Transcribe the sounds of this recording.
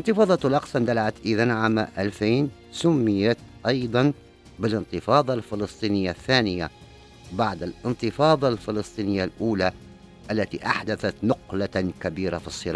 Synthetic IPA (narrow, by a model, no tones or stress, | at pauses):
ʔɪnt̪ɨfɑːðˤɑt̪lʔɑqsˤɑnd̪alʕat̪ʔɪðanʕaːmʔalfiːn | sʊmːɪjat̪ʔɑjd̪ˤɑn | bɪlɪnt̪ɨfɑːðˤɑlfɪlɨsˤt̪ˤiːnɪjːaθːaːnɪja | baʕd̪alʔɪnt̪ɨfɑːðˤɑlfɪlɨsˤt̪ˤiːnɪjːalʔuːla | ʔalːat̪ḭʔaħd̪aθat̪nʊqlakabiːɾafisˤːɨɾɑː